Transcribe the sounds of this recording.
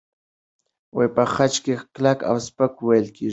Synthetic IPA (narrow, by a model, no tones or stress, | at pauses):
wajpəxat͡ʃkeklaka̰wspəkwajəlke